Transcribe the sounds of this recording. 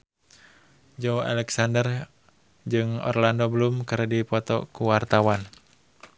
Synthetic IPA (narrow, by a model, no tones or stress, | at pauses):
d͡ʒɔwa̰lɛksandər | d͡ʒɨŋɔ̰rlandɔbəlumkɨɾdipɔt̪ɔ̰kuwart̪awan